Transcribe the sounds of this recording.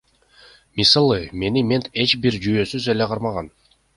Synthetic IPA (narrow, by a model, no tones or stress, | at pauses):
misɑlˠɯme̞nimʲe̞nt̪e̞t͡ʃbiɾd͡ʒyjøːsyze̞leqʰɑɾmɑʁɑn